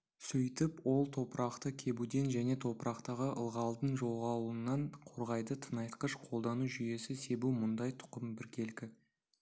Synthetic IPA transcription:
sɵjt̪ɪpwo̞lˠt̪ʰo̞pɾɑqt̪əkʲʰe̞bud̪e̞nʒæne̞t̪ʰo̞pəɾʔɑqt̪ɑʁəʔə̰lˠʁɑlˠd̪ənʒo̞lˠʁɑlˠənːɑɴqʰo̞ɾʁɑjd̪ət̪ʰənɑjt̪qəʃqʰolˠd̪ɑnuʒʏje̞sɪse̞bumʊnd̪ɑjt̪ʰʊ̥qəmbɪɾkʲʰe̞lkʲɪ

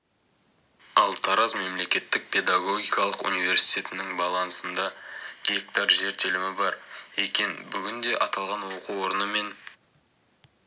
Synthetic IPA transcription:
ɑlˠt̪ʰɑɾɑzme̞mle̞kʲe̞t̪ːɪk̚pʰe̞d̪aɡo̞ɡʲijkɑlˠəqṵnijve̞ɾsi̥jt̪ʲe̞t̪ɪnɪŋbɑlˠɑnsənd̪ɑɡ̥ʲe̞k̚t̪ɑɾʒe̞ɾt̪elɪmɪbɑɾekʲe̞nbʏɡʲɪnd̪e̞ʔɑt̪ɑlˠʁɑnwo̞quwo̞ɾənəme̞n

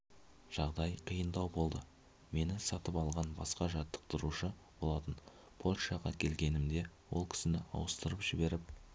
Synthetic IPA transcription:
ʒ̥ɑʁd̪ɑjqʰijənd̪ɑwbo̞lˠd̪ə | me̞nɪsɑt̪əpɑlˠʁɑnbɑ̰sqɑʒɑt̪ːə̥q̚t̪ʰʊɾuʃə | b̥o̞lˠɑt̪ən | pʰo̞lʲʃɑʁɑkʲʰe̞lɡʲe̞nɪmd̪e̞wo̞lˠkʲʰɪ̥sɪnɪɑ̰wəst̪əɾəpʒ̥ɪbe̞ɾɪp̚

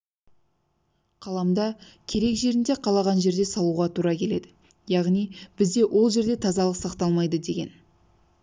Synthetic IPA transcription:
qʰɑlˠɑmd̪ɑkʲʰe̞ɾe̞kʒe̞ɾɪnd̪e̞qʰɑlˠɑʁɑnʒe̞ɾd̪e̞sɑlˠuʁɑt̪ʰuɾɑkʲʰe̞le̞d̪ɪ | jɑʁnijb̥ɪzd̪e̞wʔo̞lˠʒe̞ɾd̪e̞t̪ʰɑzɑlˠəqsɑqt̪ɑlˠmɑjd̪əd̪e̞ɡʲe̞̰n

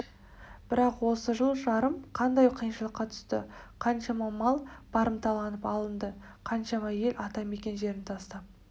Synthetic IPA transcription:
b̥ɪɾɑqwo̞səʒəlˠʒɑɾəmqʰɑnd̪ɑjqʰijənʃəlˠəqːɑt̪ʰʏ̥st̪ɪ̰qʰɑnʃɑmɑmɑlˠb̥ɑɾəmt̪ʰɑlˠɑnəpɑlˠənd̪əqʰɑnʃɑmɑje̞lʲʔɑt̪ɑme̞kʲe̞nʒe̞ɾɪnt̪ʰɑst̪ɑp̚

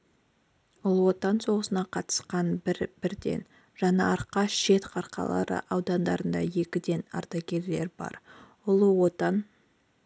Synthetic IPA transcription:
ʊlˠwo̞t̪ɑnso̞ʁəsənɑqʰɑt̪ə̥sqɑnbɪɾb̥ɪɾd̪e̞̰n | ʒ̥ɑnɑɑɾqɑʃʃe̞t̪qʰɑɾqɑ̰lˠɑ̰ɾə̰ʔɑwd̪ɑnd̪ɑɾənd̪ɑ̰je̞kʲɪd̪e̞nɑ̰ɾt̪ɑkʲe̞ɾle̞̰ɾbɑ̰ɾ | ʊlˠwot̪ɑn

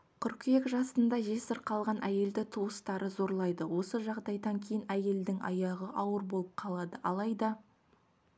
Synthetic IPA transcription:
kʲʰʏɾkʲijekʒɑsənd̪ɑʒe̞səɾqʰɑlˠʁɑnʔæje̞ld̪ɪt̪ʰuəst̪ɑɾəzo̞ɾlˠɑjd̪əwo̞səʒɑʁd̪ɑjd̪ɑŋkʲʰejɪnæje̞ld̪ɪŋɑ̰jɑʁəʔɑwəɾbo̞lˠəp̚qʰɑlˠɑd̪əʔɑlˠɑjd̪ɑ

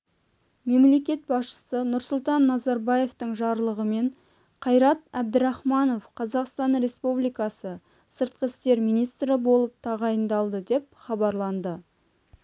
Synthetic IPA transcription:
me̞mle̞kʲe̞t̪̚bɑsʃə̥sənʊɾsʊlˠt̪ɑnːɑzɑɾbɑje̞ft̪əɴʒɑɾlˠəʁəme̞ɴ | qʰɑjɾɑt̪æbd̪əɾɑχmɑno̞fqʰɑzɑqst̪ɑnɾe̞spublijkɑsə | səɾt̪̚qəɪst̪e̞ɾmijnijst̪ɾəbo̞lˠəp̚t̪ʰɑʁɑjənd̪ɑlˠd̪əd̪e̞p̚χɑbɑɾlˠɑnd̪ə

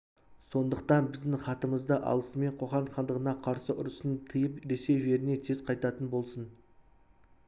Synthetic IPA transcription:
so̞nd̪əqt̪ɑnbɪzd̪ɪŋχɑt̪əməzd̪əʔɑ̰lˠəsəme̞ɴqʰo̞χɑnχɑnd̪əʁənɑqʰɑɾsəʔʊɾəsənt̪ʰəjəpɾe̞se̞jʒe̞ɾɪne̞t̪ʰe̞zqʰɑjt̪ɑt̪ənbo̞lˠsən

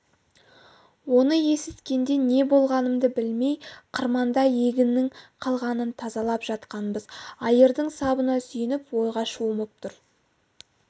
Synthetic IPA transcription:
wo̞nəje̞sɪt̪kʲe̞nd̪e̞ne̞bo̞lˠʁɑnəmd̪əbɪlme̞jqʰəɾmɑnd̪ɑje̞ɡʲɪnːɪŋqʰɑlˠʁɑnənt̪ʰɑzɑlˠɑpʒ̥ɑt̪qɑnbəzɑjəɾd̪əɴsɑbənɑsʏjɪnɪpwo̞jʁɑʃuʊməp̚t̪ʰʊɾ

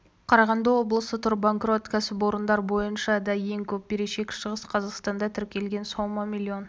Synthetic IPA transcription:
qʰɑɾɑʁɑnd̪əwo̞blˠəsət̪ʰʊɾbaŋkro̞t̪kʲʰæsɪpwo̞ɾənd̪ɑɾbo̞jənʃɑd̪ɑjeŋkʲʰɵp̚beɾeʃe̞kʲʃəʁəsqʰɑzɑqst̪ɑnd̪ɑt̪ʰʏɾkʲʰe̞lɡʲe̞nsomɑmʲilʲːio̞n

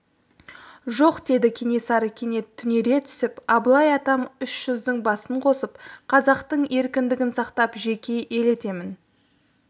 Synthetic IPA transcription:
ʒo̞qd̪e̞d̪ɪkʲʰe̞ne̞sɑɾəkʲʰe̞ne̞t̪ʰːʏne̞ɾe̞t̪ʰʏ̥sɪpɑblˠɑjɑt̪ɑmʏʃʒ̥ʏzd̪ɪŋbɑsəɴqʰo̞səpqʰɑzɑqt̪əɴe̞ɾkʲɪnd̪ɪɡʲɪnsɑqt̪ɑpʒe̞kʲe̞ʔe̞le̞t̪e̞mɪn

